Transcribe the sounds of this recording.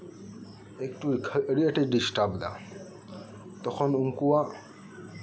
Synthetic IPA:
ekʈukʰeɽiaʈiɖisʈabd̪a̰ | t̪ɔkʰɔnuŋkuwa

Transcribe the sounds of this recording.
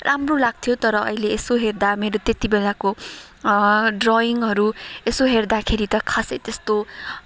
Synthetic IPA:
rʔamrolaɡ̚t̪ʰijot̪ʌɾʌʌ̰ileesoɦerd̪ameɾot̪et̪ibelako | ɖrɔiŋɦʌɾuesoɦerd̪akʰeɾit̪ʌkʰasʌjt̪est̪o

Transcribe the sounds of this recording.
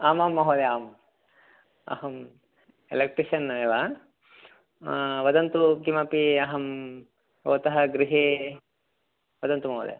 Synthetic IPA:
aːmaːmːɐɦoːd̪eaːm | ɐ̰hɐm | elek̚ʈɾiʃɐneʋa | ʋɐd̪ɐnt̪ukimɐpiɐɦɐm | oːt̪ɐɦɐɡɾiɦe | ʋɐd̪ɐnt̪umɐɦo̰ːd̪ḛ

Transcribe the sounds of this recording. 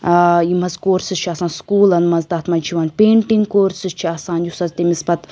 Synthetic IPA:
jimɐzkoːɾsɨzt͡ʃʰiaːsaːnskuːlɐnmɐzd̪aːt̪maːnt͡ʃʰiʋaːnʲpeːɳʈiŋɡkoːɾsɨzt͡ʃʰiaːsaːnjusɐzt̪emisbɐt̪

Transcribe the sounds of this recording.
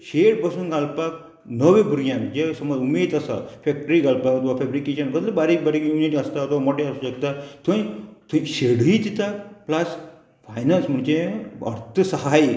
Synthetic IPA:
ɕeʈbəsuːnɡʱalpak̚ | nəʋẽbʱuɾjãnd͡ʑesəmod͡zumeːd̪əsa̰fɛk̚ʈəɾiɡalpakt̪ʋafɛbɾikeɕənbəd̪ləbaɾiːkbaɾikjuniʈiəst̪at̪ɔmoʈeasuɕəkt̪at̪ʰə̃t̪ʰuɕeɽ̤it̪it̪aplas | fajnansm̤əɳd͡ʑeə̰ɾt̪ʰəsəɦaj

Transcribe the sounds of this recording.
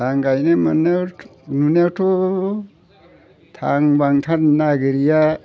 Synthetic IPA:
aŋɡajnemanemunetʰɔ | tʰaŋbaŋt̪ʰannaɡiɾija

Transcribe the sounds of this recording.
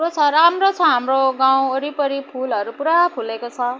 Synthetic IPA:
ɾot͡sʰʌɾamrot͡sʰʌɦamroɡaw̃oɾipʌɾipʰulʌɾupuɾapʰulekot͡sʰʌ

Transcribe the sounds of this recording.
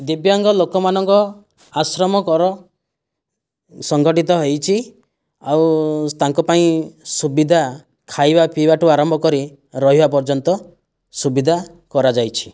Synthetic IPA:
d̪ibjɔŋɡɔlokɔmanɔŋkɔ | asɾɔmɔkɔɾɔ | sɔŋɡʱɔʈit̪ɔɦejt͡ʃʰi | awt̪aŋkɔpaĩsubid̪ʱa | kʰajbapibaʈuaɾɔmbʱɔkɔɾi | ɾɔɦibapɔɾd͡ʒɔnt̪ɔ | subid̪ʱa | kɔɾad͡ʒajt͡ʃʰi̥

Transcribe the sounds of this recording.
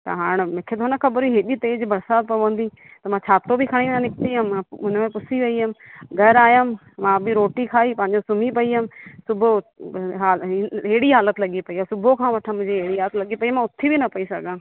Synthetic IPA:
t̪ɐ̰ɦaːɽ̃mɪ̃kʰet̪oːnakʰɐbəɾiɦeɗiːt̪eːd͡ʒbɐɾsaːd̪̚pɐʋə̃nd̪iː | t̪ɐmãːt͡ʃʰaːt̪obʱikʰəɽ̃inãnɪk̚t̪iamãʊnmẽpʊsiʋɐiəmɡʱəɾaːjaːm | mãːbʱiɾoːʈikʰaːiːpɐ̃ɦɪɲd͡ʒosʊmipɐiamsʊbʱoɦaːleːɽiɦaːlət̪lɐɠipɐiaːsʊbokʰãːʋɐʈʰãmʊ̃d͡ʒeeːɽiɦaːlət̪lɐɡipɐimãːʊt̪ʰːibʱinɐpɐisɐ̰ɡãː

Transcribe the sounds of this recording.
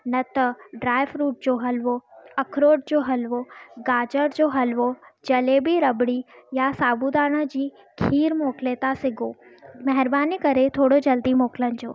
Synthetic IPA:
nɐt̪ɐɖɾaːɪʋɾuːʈ̚d͡ʑoːɦɐlʋoɐkʰɾoːʈ̚d͡ʑoːɦɐlʋoɡaːd͡ʑəɾd͡ʑoːɦɐlʋod͡ʑɐleːbiɾɐbɽijasaːbud̪aːɽ̃ə̆d͡ʑiː | kʰiːɾmoːkleːt̪asɪɡʱoːmɐɦɪɾbaːnikɐɾet̪ʰoːɽod͡ʑɐld̪imoːkɪlənɪ̆d͡ʑo̰ː

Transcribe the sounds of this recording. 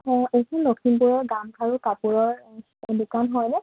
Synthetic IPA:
ɔ̃ejkʰɔnlokʰinpuɹɔɹɡamkʰaɹukapuɹɔɹ | dukanɦɔjnɛ

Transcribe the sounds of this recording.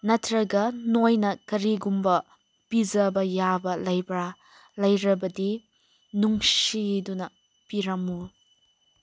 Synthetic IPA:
nɐtʰɾɐɡɐnojnɐkɐɾiɡumbɐ | pid͡ʒɐbɐjabɐlɐjbɾa | lɐjɾɐbɐdi | nuŋsidunɐ | piɾɐmu

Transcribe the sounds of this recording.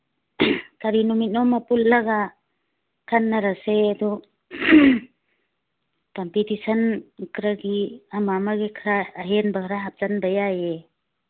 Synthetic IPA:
kaɾinumit̚nɔmapullaɡa | kʰanːaɾasejadu | kɔmpitisankɾaɡiamamaɡekʰɾaːɦenbakʰɾaɦap̚zanbajaje

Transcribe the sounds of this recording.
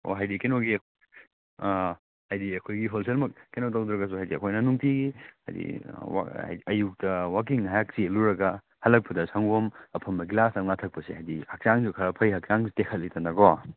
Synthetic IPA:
o̰ɦajdikenoɡiɐkʰ | hajdiɐkʰojɡiɦols̬elmɐk̚kːenot̬awdɾɐɡɐs̬uɦajdiɐ̰kʰojnɐnuŋpiɡihajdḭwa̰jɐjuk̚tɐwak̬iŋɦajak̚sieluɾɐɡɐ | hɐlːɐk̚pɐdɐsʰaŋɡomɐpʰɐmːɐɡilasɐŋnatʰɐk̚pɐsehajdihɐk̚t͡ʃaŋsukʰɐɾɐpʰɐjɦɐk̚t͡ʃaŋtekʰɐt̚litɐnːɐɡo

